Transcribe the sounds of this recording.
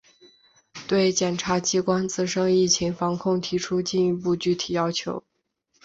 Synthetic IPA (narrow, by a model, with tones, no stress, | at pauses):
t̪we˥˩ɪt͡ɕjɛ˨˩nʈ͡ʂʰa˧˥t͡ɕi˥kwa˥nt͡sɹ̩˥˧ʂɤ˥ŋi˥˩t͡ɕʰi˧˥ŋfɑ˧˥ŋkʰʊ˥˩ŋt̪ʰi˧˥ʈ͡ʂʰu˥t͡ɕi˥˧ni˧˥pu˥˧t͡ɕy˥˩t̪ʰi˨˩jɑ˥ʊt͡ɕʰjo˧˥ʊ